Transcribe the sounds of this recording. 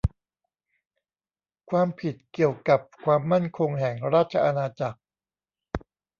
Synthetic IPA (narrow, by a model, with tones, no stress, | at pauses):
kʰwaː˧mpʰi˨˩t̪̚ki˨˩əwka˨˩p̚kʰwaː˧mːa˥˩nkʰo˧ŋɦɛ˨˩ŋɾaː˥˩t̪̚t͡ɕʰa˧ʔa˧naː˧t͡ɕa˨˩k̚